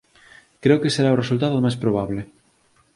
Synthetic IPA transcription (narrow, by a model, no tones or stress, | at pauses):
kɾeokeseɾaoresult̪aðoðmajspɾoβ̞aβle